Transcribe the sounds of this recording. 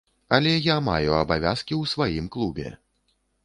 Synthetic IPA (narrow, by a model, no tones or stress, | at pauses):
ɐlʲɛjama̰juɐbavʲa̰skʲiwsvajimklˠubʲɛ̰